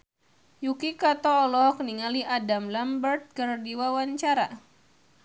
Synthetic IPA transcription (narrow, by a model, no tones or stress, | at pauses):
jukikat̪ɔːlɔkniŋaliʔadamlambərt̪̚kərdiwawaɲt͡ʃaɾa